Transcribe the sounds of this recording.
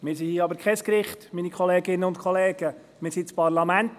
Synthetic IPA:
mɪːɾsihiɑbəɾkʰɛskɾɪχtmiːnikʰχɔleːɡɪnəʊntkʰχɔleːɡ̥ə | mɪːɾsitt͡spɑɾlɑmænt

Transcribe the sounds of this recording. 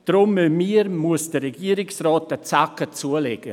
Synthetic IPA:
d̥ɾʊmːømiəɾmuəsd̥ərɛɡiːəɾɪksrɔːtət͡sakət͡suəlɛɡ̥ə

